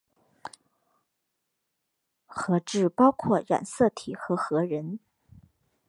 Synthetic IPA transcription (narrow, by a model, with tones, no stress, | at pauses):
xɤ˧˥ʈ͡ʂɻ̩˥˩pɑ˥ʊkʰwɔ˥˩ɻa̰˨˩nsɤ˥˩t̪ʰi˨˩xɤ˧˥xɤ˧˥ɻə˧˥n